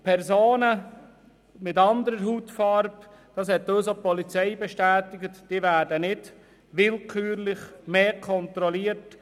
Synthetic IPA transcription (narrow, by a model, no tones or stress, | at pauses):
pʰɛɾsoːnə | mɪtɑnd̪əɾəɾɦutfɑɾb | d̥ɑːs̬hɛt̪ːøːsopɔlit͡sɛɪbɛʃtæːtɪɡətd̥iːvæːdənɪd | ʋɪlkʰyːɾlɪχmeːkʰɔnt̪ɾɔliət